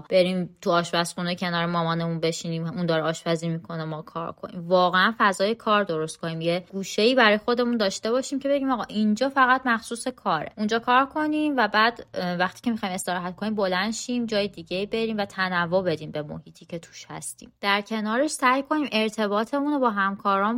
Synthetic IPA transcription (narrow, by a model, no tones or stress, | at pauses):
b̥e̞ɾimt̪ʰuɒːʃbæsxunecʰe̞nɒːɾemɒːmɒːne̞munbe̞ʃiniːmund̪ɒːɾɛɒːʃbæziːmikʰo̞nemɒːkʰɒ̰ːɾkʰo̞̰nḭːmvɒːɣeænfæzɒːje̞kʰɒːɾd̪o̞ɾo̞st̪̚kʰo̞niːmjeɡ̥uːʃe̞iːbæɾɒːjexo̞d̪e̞mund̪ɒːʃt̪e̞βɒːʃiːmcʰe̞be̞ɟiːmɒːɣɒːʔind͡ʒɒːfæɣæt̪mæxsuːse̞kʰɒːɾḛʔund͡ʒɒːkʰɒːɾkʰo̞nimvæbæːd̪̥væxt̪ʰi̥ːcʰemixɒːjime̞st̪eɾɒːɦæt̪̚kʰo̞niːmbo̞lænd̪ʃimd͡ʒɒːjed̪iːɟe̞iːbe̞ɾiːmvæt̪ʰænævːobe̞d̪iːmbe̞mo̞̰hiːt̪ʰiːce̞t̪ʰu̥ʃhæ̰st̪ḭːmd̪̥æɾcʰe̞nɒːɾeʃsæjkʰo̞niːmʔe̞ɾt̪ʰe̞bɒːt̪ʰe̞muno̞bɒːɦæmkʰɒːɾɒːn